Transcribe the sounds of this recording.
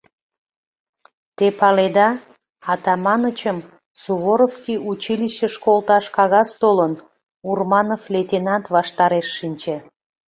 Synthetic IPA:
t̪epɑled̪ɑ | ɑt̪ɑmɑnət͡ɕəm | suβoɾofskijut͡ɕiliʃːə̆ʃkolˠt̪ɑʃkɑɣɑst̪olən | urmɑnoflʲet̪ʲenɑnt̪vɑʃt̪ɑɾeʃːinʲt͡ɕe

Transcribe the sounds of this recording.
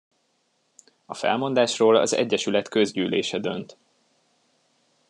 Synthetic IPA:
ɒfɛ̰lmo̞nd̪aːʃroːlɒ̰zɛ̰ɟːɛʃylɛt̪kø̞zɟyːlḛːʃɛd̪ø̞nt̪

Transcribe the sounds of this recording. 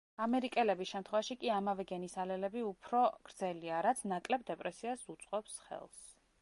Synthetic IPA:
amɛɾikʼɛlɛbisʃɛmt̪ʰχwɛvaʃikʼiamavɛɡɛnisalɛlɛbiupʰɾɔɡ̥ɾd̪zɛliaɾat̪sʰnakʼlɛbd̪ɛpʼɾɛsiasut̪sʼqʼɔpsχɛ̰lˠs

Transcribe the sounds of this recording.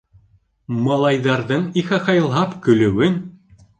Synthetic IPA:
mɑlˠɑjðɑɾðɤɴiχæχɑjlˠɦɑpkɵ̆lɘ̆wɘn

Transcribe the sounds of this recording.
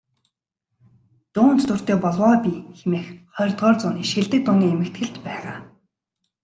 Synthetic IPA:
t̪ʊːnt̪t̪ʊr̥t̪eːpɔɮwɔːpʲixemeːxχœːrʲt̪ʁɔːrt͡sʊːniːʃeɮt̪ɘ̆k̚t̪ːʊniːemɘ̆k̚t̪ɡɘ̆ɮt͡ɕpæːʁaː

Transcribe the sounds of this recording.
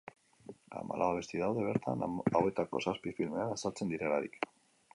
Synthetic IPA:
a̰ma̰lʔaβaβe̞st̪iðawðe̞β̞e̞ɾt̪a̰nawe̞t̪ako̞̰saspifilme̞anasalt͡se̞nd̪iɾe̞laɾḭk

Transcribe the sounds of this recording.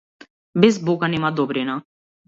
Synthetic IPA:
bɪs̬boːkanimaːd̪oːbɾeːnãː

